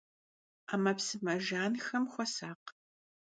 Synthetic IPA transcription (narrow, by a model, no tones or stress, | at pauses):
aːmɐpsɨmɐʒaːnxɐmxʷɔsaːq